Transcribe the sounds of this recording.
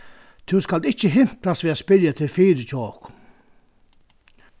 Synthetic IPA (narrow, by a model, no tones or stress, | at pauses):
t̪ʰuskald̪ɪt͡ʃəɦɪm̥pʰlasʋɛːaspɪljat̪ʰɪlfiːɾət͡ʃɔːk